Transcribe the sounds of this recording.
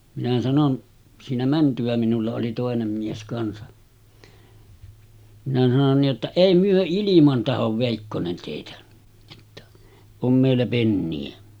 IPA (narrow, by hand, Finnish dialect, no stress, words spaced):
minæ sɑnon siːnæ mæntyæ minulːɑ oli toˑenem mies kɑnsɑ minæ sɑnon niʔ ʔetːæ eˑi myø ilimɑn tɑhoʋ ʋeˑikːonen teˑitæ j̊o̥tːɑ̥ om meˑilːæ penːiæ